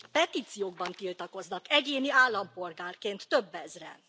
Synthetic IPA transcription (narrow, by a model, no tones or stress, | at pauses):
pɛt̪iːt̪sijoːɡ̚bɒnt̪ilt̪ɒko̞znɒkɛɟeːniaːlːɒmpo̞lɡaːrkeːnt̪ːø̞bːɛzrɛ̰